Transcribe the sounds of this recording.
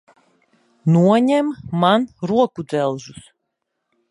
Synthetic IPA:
nuɔɲɛmːanɾuɔkud̪zɛlˠʒus

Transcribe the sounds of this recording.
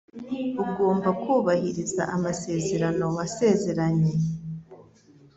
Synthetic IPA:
uɡo̞ːmbakuːβahiɾiza̰ʔamase̞ːze̞ɾano̞wase̞ːze̞ɾaɲe̞

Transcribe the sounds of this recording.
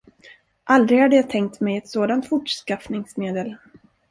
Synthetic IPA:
ʔald̪ɾɪɡhad̪əjaːt̪ʰɛŋk̚t̪mɛjɛt̪soːd̪ant̪fʊʈʂkafnɪŋsmeːd̪əl

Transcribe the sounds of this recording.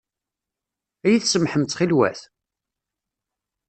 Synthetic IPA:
æjiθsəmħəmt̪χilwæ̰θ

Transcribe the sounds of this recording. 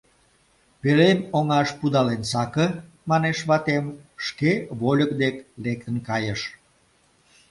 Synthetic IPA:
pelemoŋɑʃpud̪ɑlensɑkə | mɑneʃβɑt̪emʃkeβolʲəkd̪eklek̚t̪ənkɑjəʃ

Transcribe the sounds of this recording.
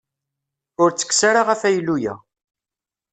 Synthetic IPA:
ʊɾt͡sːə̥ksaɾaʁæfæjlːujæ̰

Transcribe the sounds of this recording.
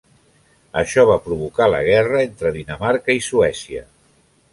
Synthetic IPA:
əʃɔβ̞apɾuβ̞ukalə̰ɣ̞ɛrəent̪ɾəðinəmaɾkəisuɛsiə̰

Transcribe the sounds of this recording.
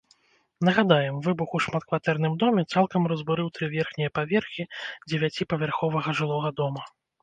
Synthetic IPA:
nɐɣad̪ajɛmvɨbuxuʂmat̪̚kvat̪ɛrnɨmd̪ɔmʲɛt̪salˠkɐmrɐzbuɾɨwt̪ɾɨvʲɛrxnʲɛjɐpavʲɛrxʲid͡zʲɛvʲat͡sʲipɐvʲarxɔvɐɣɐʐɨlˠɔɣɐd̪ɔmɐ

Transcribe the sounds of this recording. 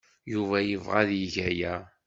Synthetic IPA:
juvæjəvʁaðjəʝæjæ

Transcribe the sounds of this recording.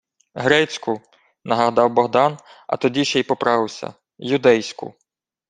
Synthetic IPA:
ɦɾɛt͡sʲkʊ | nɐɦɐɦd̪ɑwbɔɦd̪ɑnɐ̰t̪ɔdʲiʃɛjpɔpɾɑʋɪwsʲɐ̰ | jʊd̪ɛjsʲkʊ̰

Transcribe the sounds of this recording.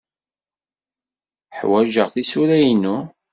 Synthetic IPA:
ħwæʒəʁθisuɾæjnu

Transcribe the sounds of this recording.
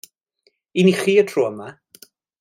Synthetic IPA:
iniχiːətʰroːəma

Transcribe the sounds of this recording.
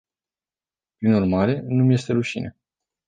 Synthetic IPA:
pɾinurmaɾe̞numje̞st̪e̞ɾuʃḭne̞̰

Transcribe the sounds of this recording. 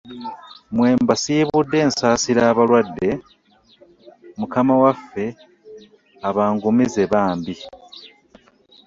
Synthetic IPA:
mwe̞ːmbasiːβudːe̞ːnsaːsiɾaːβalwadːe̞ | mukamawafːe̞ | aβaːŋɡumize̞βaːmbi

